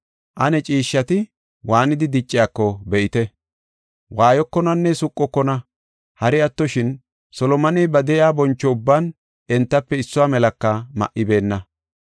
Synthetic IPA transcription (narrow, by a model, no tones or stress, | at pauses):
ʔɐnɛt͡ʃʼiːʃːɐt̪ɪ | waːnɪd̪ɪd̪ɪt͡ʃʼːɪjaːkːɔbɛʔɪt̪ɛ | waːjɔkːɔnɐnːɛsʊkʼːɔkːɔnɐ | hɐɾɪɐt̪ːɔʃɪn | sɔlɔmɐnibɐd̪ɛjaːbɔnt͡ʃːɔʊbːaːn | ɛnt̪ːɐpːɛɪsːʊwaːmɛlɐkːɐmɐ̰ʔɪbe̞ːnːɐ